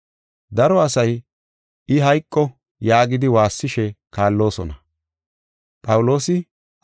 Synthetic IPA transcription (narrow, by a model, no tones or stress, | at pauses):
d̪ɐɾɔɐsɐj | ɪɦɐjkʼːɔ | jaːɡɪd̪ɪwaːsːɪʃɛkaːlːo̞ːsɔnɐ | pʼɐwʊlo̞ːsɪ